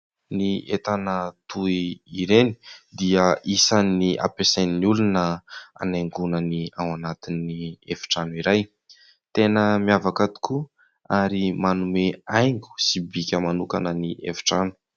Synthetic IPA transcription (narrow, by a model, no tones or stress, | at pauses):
niet̪anət̪ʰuiːɾeni̥d̪iəʔisanːiʔa̰peseniniulunəa̰najŋɡunəniawanat̪inːiefi̥ʈ͡ʂanuiɾaj | t̪enəmiavakat̪u̥ku | aɾimanumeajŋɡu̥sibikʲəmanukanəniʔḛfi̥ʈ͡ʂanu̥